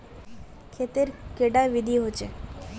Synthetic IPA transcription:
kʰet̪eɾkeɖaʋid̪ʱiɦot͡ʃe

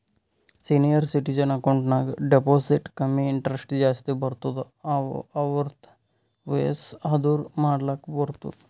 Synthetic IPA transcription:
sinijəɾsiʈid͡ʒənɐkɐɳʈnaɡɖeposiʈkəmiɪɳʈɾesʈd͡ʒaːst̪ebəɾt̪ut̪ | aʋəɾt̪ | ʋḛsɦɐd̪uːɾmaːɽlakbəɾt̪ṵt̪

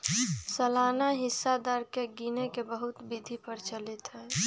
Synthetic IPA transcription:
səlaːnaɦɪsːad̪əɾkeɡinekebəɦʊt̪bid̪ʱipəɾt͡ʃəlit̪ɦɛː

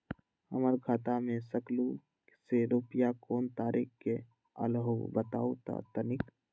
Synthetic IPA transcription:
həməɾɡʰaːt̪amẽsəklu | seɾoːpjakoːnt̪aːɾʔikke | ə̰lɦobət̪a̰ːut̪a̰t̪ənɪk

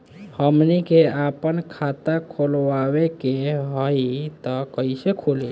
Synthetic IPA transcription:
həmnikeapənkʰat̪akʰolʋawekeɦəit̪ɔkəɪsekʰoli

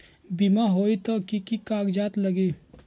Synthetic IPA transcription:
bimaɦoːit̪okikikaːɡd͡ʒaːt̪lɐɡiː

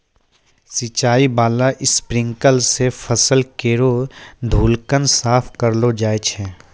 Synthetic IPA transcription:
sit͡ʃaːibaːlaʔɪspɾɪ̃ŋkəlsefʰəsəlkeːɾod̪ʱuːlkənsaːpʰkəɾlod͡ʒaːet͡ʃʰɛː

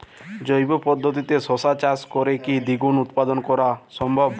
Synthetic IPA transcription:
d͡ʒojbɔpɔd̪ʱːɔt̪̬it̪esosat͡ʃaskɔɾekid̪iɡunut̪pad̪ɔnɔkɔɾasɔmbʱɔb

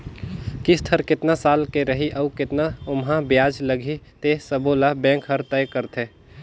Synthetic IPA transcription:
kist̪ʰəɾkɪt̪nasaːlkeɾəɦiʔɐukɪt̪naʊmɦãbjaːd͡ʒləɡʱit̪esəboːlabɛ̃ːŋkɦɐɾt̪ɛjkəɾt̪ʰẽː

